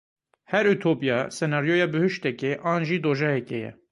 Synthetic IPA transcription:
hɛɾyt̪ʰopijɑːsɛnɑːɾijojɑːbɨhɨʃt̪ɛkeʔɑːnʒiːd̪oːʒɛhɛkɛjɛ̰

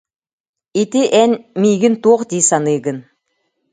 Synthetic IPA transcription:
it̪iʔɛnʲmʲiːɡɘnt̪uɔqd̪ʲiːsanɯːɡɯn

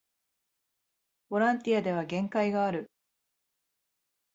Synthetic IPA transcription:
b̥o̞ɾãnt̪ijad̪e̞β̞aɡẽ̞ŋkaiɡaːɾɯ̟

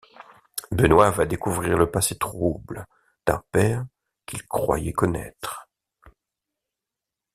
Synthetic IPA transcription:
bənwavad̪ekuvʁiʁləpaset̪χubl | d̪̥ɛ̰̃pɛʁ | kʲilkχwa̰jɛkɔnɛ̰t̪χ

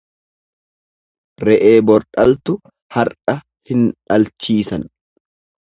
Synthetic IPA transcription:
ɾɛʔe̞ːbɔɾᶑɐlt̪ʊ | hɐɾᶑɐ | hɪnᶑɐlt͡ʃiːsɐn

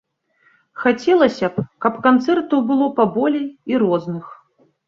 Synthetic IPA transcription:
xat͡sʲɛlˠɐsʲɐpkɐpkant̪sɛrt̪uwbɨlˠɔpabɔlʲejiɾɔznɨx

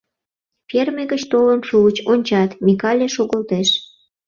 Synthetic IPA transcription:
pʲermeɣət͡ɕt̪olənʃuət͡ɕonʲt͡ɕɑt̪mʲikɑlʲeʃoɣəlt̪eʃ

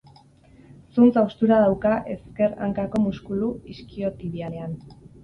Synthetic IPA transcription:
sunt͡sawst̪uɾaðawkaʔe̞ske̞ɾa̰ŋkako̞muskuluiskio̞t̪iβialean

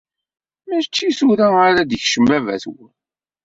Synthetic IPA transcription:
mæʃt͡ʃːisuɾæəɾæd̪çʃəmbævæ̰θwən

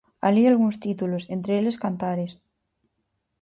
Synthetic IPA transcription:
alialɣunst̪it̪ulosent̪ɾeeleskant̪aɾes

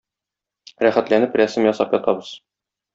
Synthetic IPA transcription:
ɾæχæt̪lænɘprʲæsɘmjɒsɑpjɒt̪ɑbɤz̥

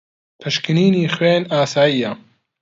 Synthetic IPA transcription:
pʰɨʃkɨniːniːxweːnaːsaːjiːja

